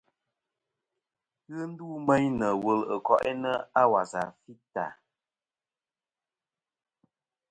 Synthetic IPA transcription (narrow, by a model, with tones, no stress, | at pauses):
ɣɨ˦n̩˦duː˦mɛ˦ɲnə˨wə˨lə˨kɔ˨ʔɛ˦nə˦a˦wa˨za̰˨fi˦ta̰˨